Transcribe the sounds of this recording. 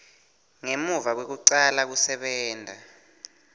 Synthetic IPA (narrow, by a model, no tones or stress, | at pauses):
ŋemuvak̬wek̬uǀalak̬usɛɓɛːndʱa